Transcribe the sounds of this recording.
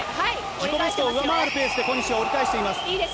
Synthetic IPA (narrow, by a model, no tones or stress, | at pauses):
çikoboɕi̥t̪oːɯ̟βamaːɾɯ̟pe̞ːsɨd̪e̞ko̞ɲːit͡ɕiooɾikaeɕi̥t̪e̞imasɨ̥